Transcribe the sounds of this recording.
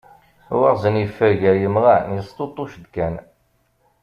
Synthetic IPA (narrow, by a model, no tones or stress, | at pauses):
wəʁzənjəfːəɾʝæjəmʁanjəst̪ˤot̪ˤːuʃd̪kæn